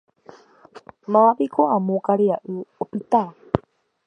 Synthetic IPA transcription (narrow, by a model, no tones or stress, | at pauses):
mãpikʰoãmõkaɾiaʔɨopɨt̪a